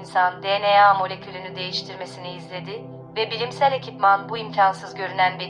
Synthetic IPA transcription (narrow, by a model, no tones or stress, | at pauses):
nsand̪eːneamolʲe̞cʰʲylʲynyd̪e̞jiʃt̪ʰiɾme̞siniːzlʲe̞d̪ɪ | vɛbilʲimsælʲe̞cʰipmanbuimcʰansɯzɟø̞ɾynænve